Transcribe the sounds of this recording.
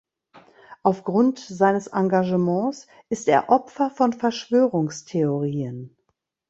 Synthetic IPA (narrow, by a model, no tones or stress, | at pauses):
ʔaʊfɡ̥ʁʊntz̥aɪnəsʔaŋɡaʒəmɑ̃ːs | ʔɪsteːɐʔɔpfɐfɔnfɛɐʃv̥øːʁʊŋstʰeoʁiːən